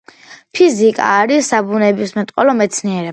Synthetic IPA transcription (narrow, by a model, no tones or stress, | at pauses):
pʰizikʼa̰ːɾisːabunɛbismɛt̪ʼqʼɔlɔmɛt̪sʰniɛɾɛ